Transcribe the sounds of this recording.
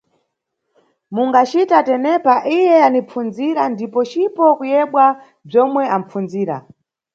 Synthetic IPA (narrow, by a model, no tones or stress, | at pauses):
muŋɡat͡ʃitatɛnɛpaʔijɛanipp͡fund͡ziɾandipɔt͡ʃipɔkujɛɓwa | b͡ʐɔmwɛam̩p͡fund͡ziːɾa̰